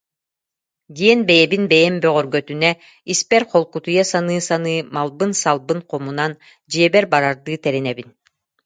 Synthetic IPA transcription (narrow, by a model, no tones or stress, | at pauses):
d̪iɛnbɛjɛbinbɛjɛmbœʁœɾɡœt̪ynɛ | ispɛɾqɔlˠkut̪ujɛsanɯːsanɯːmalˠbɯnsalˠbɯnqɔmunan | d͡ʑiɛbɛɾbaɾaɾd̪ɯːt̪ɛɾɛnɛbin